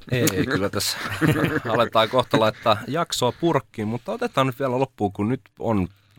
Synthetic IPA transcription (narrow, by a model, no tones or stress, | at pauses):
eeikylːæt̪æs | ɑlet̪ːˑɑːkoht̪olɑit̪ːɑjɑksoɑpurkːimmut̪ːɑot̪et̪ːˑɑːnyt̪ʋiælælopːuːkunnyt̪o̰n